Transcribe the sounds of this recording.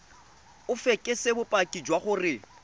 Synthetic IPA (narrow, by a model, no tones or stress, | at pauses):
ʊfɛkʼɪsɪbʊpʼakʼid͡ʒwaχʊrɪ